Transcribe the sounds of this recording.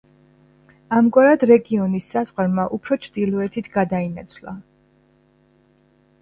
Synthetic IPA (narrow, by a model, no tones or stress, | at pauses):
amɡwaɾad̪ɾɛɡiɔnisːazʁwaɾmaʔupʰɾɔt͡ʃʰɾd̪ilˠɔɛt̪ʰit̪ʰɡad̪ainat̪sʰlˠa